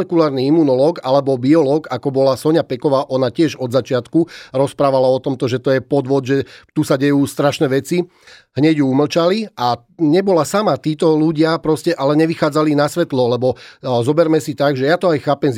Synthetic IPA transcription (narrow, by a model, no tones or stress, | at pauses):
ɛkulaːɾniimunɔlɔːɡalɛbɔbiɔlɔːɡakɔbɔlasɔɲapɛkɔʋaːʔɔnacɪɛʒɔd̪zat͡ʃɪat̪kuɾɔspɾaːʋalaɔt̪ɔmt̪ɔʒɛt̪ɔjɛpɔd̪ʋɔd̪ʒɛt̪usaɟɛjuːst̪ɾaʃnɛʋɛt͡si | ɦɲɛɟjuuml̩t͡ʃaliʔa | ɲɛbɔlasamat̪iːt̪ɔluɟɪapɾɔscɛʔalɛɲɛʋixaːd͡zalinasʋɛt̪lɔlɛbɔzɔbɛɾmɛsit̪aɡʒɛjat̪ɔajxaːpɛmz